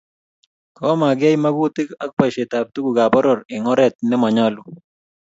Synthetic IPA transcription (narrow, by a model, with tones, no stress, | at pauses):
kɔ˦ma˨ɡɛ˦jma˦ɡu˦ti˦ka˦k̚pa˨ʃe˨ta˨p̚tu˦ɡu˨ɡa˨bɔ˦ɾɔ˨ɾɪ˨ŋɔ˦ɾɛ˨t̪̚nɛ˦mɔ˨ɲɔ˦lʊ˨